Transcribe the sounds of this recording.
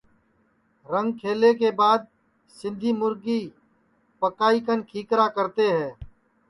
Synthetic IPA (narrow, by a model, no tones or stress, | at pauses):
ɾə̃ŋɡkʰeːleːk̬eːbaːd̪̚ | sɪ̃nd̪ʱiːmʊɾɡiː | pəkaːikənkʰiːkɾaːkəɾt̪eːɦɛ̃ː